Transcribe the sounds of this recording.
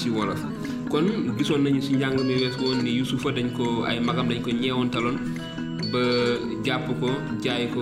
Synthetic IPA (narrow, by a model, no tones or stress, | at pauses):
siwɔlɐ | kɔnbisɔːnːɐɲusiɲɟaŋɡɐmɐjwɛːsɡɔːnːijusufɐdɐɲkɔɐ̰jmɐɡɐmdɐɲkɔɲɛwɔntɐlɔn | bɐ | ɟapːəkɔɟaːjkɔ